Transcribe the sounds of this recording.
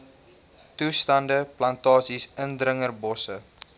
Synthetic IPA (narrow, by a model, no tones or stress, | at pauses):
tustɐndəplɐntɑːsisəndɾəŋərbɔsə